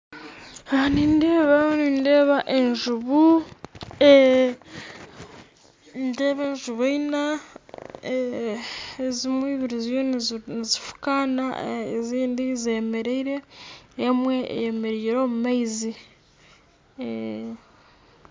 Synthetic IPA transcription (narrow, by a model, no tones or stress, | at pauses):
aniːndeːβaninde̞ːβaʔenʒuβu | e | nde̞βeːnʒuβoina | e | zimwiːβiɾizonnizifu̥kana̰eziːndizeme̞ɾeiɾe̞emwe̞ḛjeme̞ɾiːɾo̞mumaizi